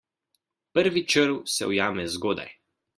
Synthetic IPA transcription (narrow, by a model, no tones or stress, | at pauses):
pəɾʋit͡ʃəɾwsɛ̰ɔjaːmɛzɡoːd̪a̰j